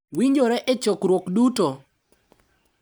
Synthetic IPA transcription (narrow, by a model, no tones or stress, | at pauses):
wiɲd͡ʒoɾɛʔet͡ʃokɾwokduto